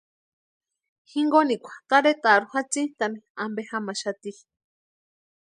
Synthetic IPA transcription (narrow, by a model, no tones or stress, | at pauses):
hiŋɡonikʷʰḁt̪aɾet̪aɾuhat͡sit̪amiambehamaʃat̪i